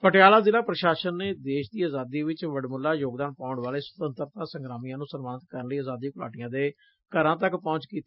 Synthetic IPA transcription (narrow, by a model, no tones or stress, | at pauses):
pəʈɪjaːlaːzɪlaːpɾəʃaːʃənːeːd̪eːʃd̪iːaːzaːd̪iːʋɪt͡ʃʋəɖmʊlːaːjoːɡd̪aːnpãːʊ̃ɳʋaːleːsə̥t̪ənt̪əɾt̪ãːsəŋɡɾaːmijãːnũːsəɾmaːnɪt̪̚kəɾənləiːaːzaːd̪iːkʊlaːʈɪjãːd̪eː | kəɾãːt̪əkpɔ̃ːɲt͡ʃkiːt̪eː